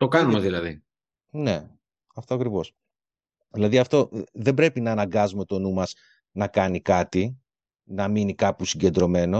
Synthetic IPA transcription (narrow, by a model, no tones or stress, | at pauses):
t̪o̞kɐnumeðilɐði | ne̞ | ɐft̪oɐkɾivo̞s | ðilɐðiɐft̪o̞ðe̞bɾe̞pinɐːnɐŋɡɐzume̞t̪o̞numɐs | nɐkɐnikɐt̪i | nɐminikɐpusiɲɟe̞nd̪ɾo̞me̞no̞